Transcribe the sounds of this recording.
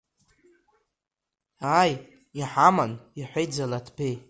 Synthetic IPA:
aj | iħamaniħʷejd͡zalatʰpʰej

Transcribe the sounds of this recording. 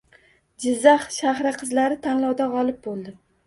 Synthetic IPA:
d͡ʒɪzːaχʃahɾaqʰɨzlaɾɪt̪ʰanlɒwd̪aʁɒlˠɪp̚bolˠd̪ɪ

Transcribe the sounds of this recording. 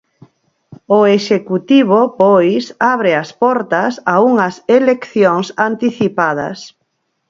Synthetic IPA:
ʊeʃekut̪iβ̞opojsaβɾɪɐspɔɾt̪ɐsauŋɐselekθjoŋsant̪iθipað̞ɐ̰s

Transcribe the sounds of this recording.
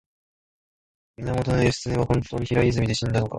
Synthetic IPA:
mʲinamo̞t̪onojeɕɨ̥t͡sɨɲʲiβahõ̞nt̪o̞ːɲ̟içiɾaizɨmʲid̪e̞ɕĩnd̪ano̞ka̰

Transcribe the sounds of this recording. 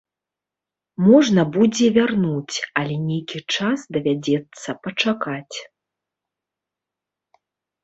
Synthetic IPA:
mɔʐnɐbud͡zʲɛvʲarnut͡sʲɐlʲɛnʲejkʲit͡ʂasd̪ɐvʲad͡zʲɛt̪sːɐpɐt͡ʂakat͡sʲ

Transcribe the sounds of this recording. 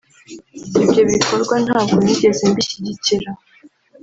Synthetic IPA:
ibɟo̞βiko̞ɾɡwan̥haːb̚ɡoniɟe̞ze̞mbiʃiɟiciɾa

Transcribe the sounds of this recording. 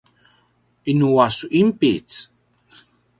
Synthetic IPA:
ʔinuasuʔimpit͡s

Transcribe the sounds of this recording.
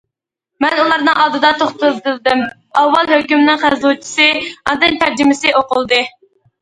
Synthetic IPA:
mɛnulˠɑɾnɨŋʔɑd̪ɨd̪ɑt̪ʰoχt̪ɨt̪ɨld̪ɨm | ɑwːɑlˠhøkʲymnɪŋχæzut͡ʃʰi̥sɨɑd̪ɨnt̪ʰæɾd͡ʒɪmɪsɨoqʊlˠd̪ɨ

